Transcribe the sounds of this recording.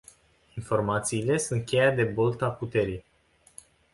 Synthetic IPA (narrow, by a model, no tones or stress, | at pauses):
info̞rmat̪siːle̞sunt̪̚kʲejad̪e̞bolt̪aput̪e̞ɾij